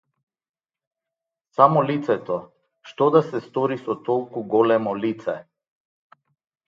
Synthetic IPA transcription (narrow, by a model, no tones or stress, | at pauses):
samɔlit̪sɛt̪ɔ | ʃt̪ɔd̪asɛst̪ɔɾisɔt̪ɔlˠkuɡɔlɛmɔlit̪sɛ